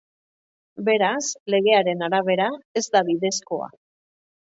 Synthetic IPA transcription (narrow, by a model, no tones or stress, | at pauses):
be̞ɾasle̞ɣ̞e̞aɾe̞naɾaβe̞ɾae̞zd̪aβiðe̞sko̞a̰